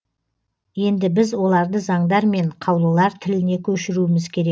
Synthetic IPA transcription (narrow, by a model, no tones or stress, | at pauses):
je̞nd̪ɪbɪzwo̞lˠɑɾd̪əzɑɴd̪ɑɾme̞ɴqʰɑwlˠəlˠɑɾt̪ʰɪlɪne̞kʲʰɵʃɪɾuɪmɪzkʲʰe̞ɾe